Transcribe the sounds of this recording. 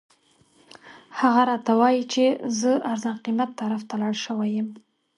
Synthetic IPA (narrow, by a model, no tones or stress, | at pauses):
haɣaɾɑt̪awɑjit͡ʃezəaɾzɑnqimat̪ːaɾaft̪alɑɽʃəwajəm